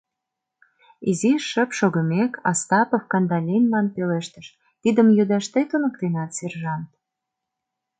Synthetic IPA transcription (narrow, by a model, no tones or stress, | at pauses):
iziʃə̆pʃoɣə̆mekɑ̰st̪ɑpofkɑnd̪ɑlʲinʲmɑnpeleʃt̪ə̥̆ʃ | t̪id̪ə̆mjud̪ɑʃt̪et̪unə̆k̚t̪enɑt̪serʒɑnt̪̚